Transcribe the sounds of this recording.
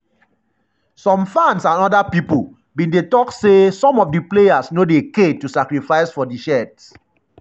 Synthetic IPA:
sɔ̃mfãnsãnɔdapipu | bĩndetɔksesɔ̃mɔfdiplejasnodeketusakɹifaɪsfɔdiʃɛts

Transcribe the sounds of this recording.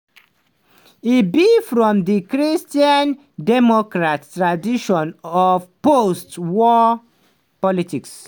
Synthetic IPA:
ibifɹɔ̃mdikɹistiãn | dɛmɔkɹattɹadiʃɔ̃nɔvpostwɔ | pɔlitiks

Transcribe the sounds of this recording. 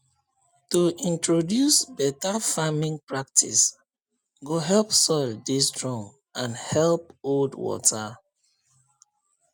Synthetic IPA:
tuʔĩntɹodjusbɛtafamĩŋpɹak̚tʰḭs | ɡoɦɛlpsɔldistɹɔ̃m | ãnhɛlp̚oldwɔ̰tʰa

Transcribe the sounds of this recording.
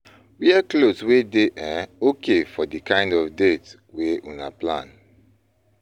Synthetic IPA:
wiakloswedeʔaokʰefɔdikãɪ̃ndɔfdet | weʔũna̰plã̰n

